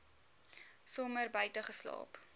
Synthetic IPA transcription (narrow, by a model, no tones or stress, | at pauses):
sɔmərbəɥtəχəslɑ̰ːp